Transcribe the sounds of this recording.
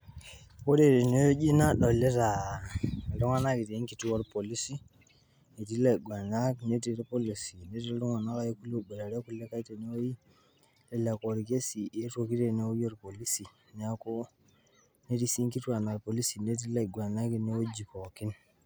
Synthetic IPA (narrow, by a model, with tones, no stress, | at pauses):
wo˦ɾe˦˨ɾe˨ne˦jo˦d͡ʒi˦na˦ɗo˨le˦ta˨ | lu˦ŋa˦na˦ki˨te˨i˦ki˨tu˦wo˦ɾpo˨li˦si˦ | ne˨ti˦la˨ɡʷa˨na˦kne˦ti˦ɾpo˦li˨si˨ne˦te˦lu˦ŋa˨na˦ka˦je˦ku˦lo˦˨be˨ɾa˨ɾe˦ku˦le˦ka˦i˦te˨ne˦wo˦ji˦ | le˦la˨ko˨ɾke˦si˨e˦to˨ki˦te˨ne˦o˦ji˦o˦ɾpo˨li˦si˨ | n˦a˦ko˦ | ne˦ti˦si˦ŋki˦tu˦a˨na˨ɾpo˨li˦si˨ne˦t̬i˦la˨ɡʷa˨na˦ki˨ne˦wo˦d͡ʒi˨ko˨ki˦n